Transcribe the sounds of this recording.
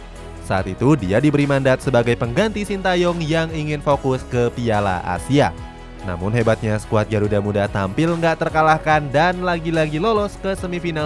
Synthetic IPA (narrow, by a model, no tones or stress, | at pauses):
saat̪it̪udiadibəɾimandat̪̚səbaɡajpəŋɡant̪isint̪ajɔŋjaŋiŋɪnfokʊskəpiala̰ʔa̰sia̰ | na̰mʊnɦebat̪̚ɲasə̥kuat̪̚d͡ʒaɾudamudat̪ampɪlŋɡaʔt̪ərkalahkandanlaɡilaɡilolɔskəsəmifinal